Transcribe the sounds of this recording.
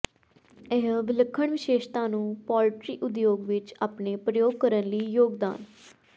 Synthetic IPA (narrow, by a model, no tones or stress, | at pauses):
ɪɦʋɪləkʰːəɳʋɪʃeːʃt̪ãːnũːpɔːlʈɾḭːʔʊd̪joːɡʋɪt͡ʃaːpneːpɾəjoːɡ̚kəɾənliːjoːɡd̪a̰ːn